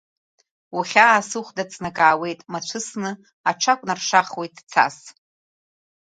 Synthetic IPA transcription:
uχʲaːsɨχʷdat͡sʼnakʼaːwe̞jtʼmat͡ʃʷʰɨsnɨ | aʈ͡ʂʰakʷʼnarʂaχwe̞jtʼt͡sʰa̰s

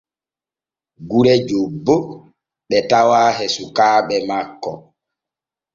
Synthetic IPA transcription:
ɡuɾɛd͡ʒobːo | ɓɛtawaːɦɛsukaːɓɛmakːɔ

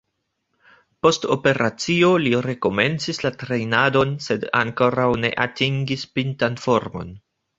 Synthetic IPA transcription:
po̞sto̞pe̞ɾʔat͡sio̞liɾe̞ko̞me̞nt͡sislatɾe̞jnado̞nse̞da̰ŋko̞ɾawne̞̰ʔatiŋɡispintanfo̞ɾmo̞̰n

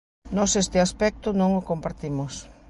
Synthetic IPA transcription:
nɔsest̪ɪaspɛk̚t̪ʊnõŋʊkompaɾt̪imʊs

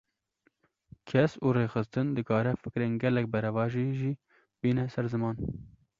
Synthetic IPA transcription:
kʰɛsuːreːxɨst̪ɨnd̪ɨkʰɑːɾɛfɨkɾeːnɡɛlɛk̚bɛɾɛvɑːʒiʒiː | b̥iːnɛsɛɾzɨmɑːn

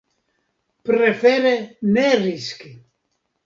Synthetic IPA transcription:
pɾefeɾeneriski

